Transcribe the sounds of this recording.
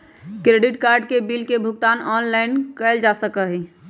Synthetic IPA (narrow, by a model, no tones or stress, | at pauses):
kɾeːɖɪʈkaːɾɖkebilkebʱʊkt̪aːnɔːnlaɪnkəld͡ʒasəkəɦɛ